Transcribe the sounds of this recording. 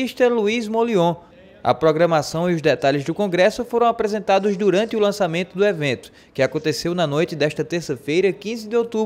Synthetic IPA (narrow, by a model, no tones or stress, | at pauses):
iʃt̪ɐluizmoliõ | ɐ̰pɾɔɡɾɐ̃masɐ̃w̃iʊzd̪ɛt̪aʎɪzd̪ʊkõɡɾɛsʊfoɾɐ̃w̃apɾɛzẽnt̪ad̪ʊzd̪uɾɐ̃nt̪ɪʊlɐ̃samẽnt̪ʊd̪ʊɛvẽnt̪ʊ̥ | kɪakõnt̪esewnɐnojt̪ɪd̪ɛʃt̪ɐt̪eɾsɐfejɾɐkĩzɪd̪ɪowt̪ub